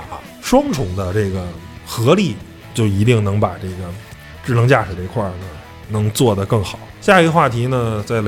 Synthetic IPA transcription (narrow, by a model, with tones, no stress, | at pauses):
ʂwɑ˥ŋʈ͡ʂʰʊ˧˥ŋd̪ə˧ʈ͡ʂe˥˩ɡə˩ | xɤ˧˥li˥˩ | t͡ɕjo˥˩ʊi˧˥t̪̬i˥˩ŋnɤ˧˥ŋpa˨˩ʈ͡ʂɤ˥˩ɡə˩ | ʈ͡ʂɻ̩˥˩nɤ˧˥ŋt͡ɕja˥˩ʂɻ̩˨˩d̪ə˧i˧˥kʰwa˥˩nə˩ | nɤ˧˥ŋt͡swɔ˥˩d̪ə˩kɤ˥˩ŋxɑ˨˩˦ʊɕja˥˩i˧˥xwa˥˩t̪ʰi˧˥nə˧t͡sa˥˩ɪle˧